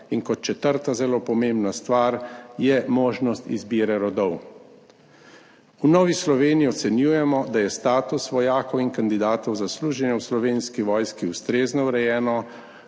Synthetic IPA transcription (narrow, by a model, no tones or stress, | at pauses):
inkɔt̪̚t͡ʃɛt̪əɾt̪azɛloːpɔmembnast̪ʋaːɾjɛmoːʒnɔst̪ḭzbiːɾɛɾɔd̪ɔw | unɔːʋislɔʋeːnijiɔt̪sɛnjuːjɛmɔd̪ajɛst̪aːt̪usʋɔjaːkɔwinkand̪id̪aːt̪ɔwzasluːʒɛnjɛwslɔʋeːnskiʋɔːjskiust̪ɾeːznɔwɾɛjɛːnɔ